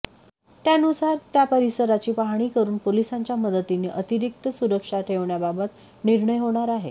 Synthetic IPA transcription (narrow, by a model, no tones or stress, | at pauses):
t̪janusaɾt̪japəɾisəɾat͡ɕiːpaɦaɽ̃iːkəɾuːnpolisaɲt͡ɕjaməd̪ət̪ineʔət̪iɾik̚t̪əsuɾəkʂaʈʰeʋɳjababət̪ | niɾɳəjɦoɽ̃aɾaɦe